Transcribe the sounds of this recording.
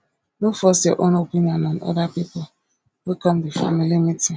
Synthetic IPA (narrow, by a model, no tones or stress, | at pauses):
nofɔsaʔonopiniɔnɔnɔ̰dapipʊ | wekɔmdifa̰milimiti